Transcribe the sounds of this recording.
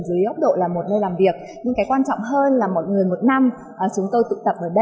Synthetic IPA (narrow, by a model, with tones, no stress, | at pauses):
zɨ˨˦ə˦jʔə˦˥wk͡p̚ɗo̰˧˨laː˨˩mo˨˩t̚nəː˧jlaː˨˩mvi˨˩ək̚ | ɲɨ˧ŋkaː˨˦jkwaː˧nt͡ɕɔ̰˧˨wŋ͡mɦəː˧nlaː˨˩mo˨˩t̚ŋɨ˨˩əjmo˨˩t̚na˧m | ʔəː˨˩t͡ɕʊ˨˦ŋ͡mt̪o˧jt̪ɨ̰˧˨t̪ə˨˩p̚ʔəː˧˩ɗə˧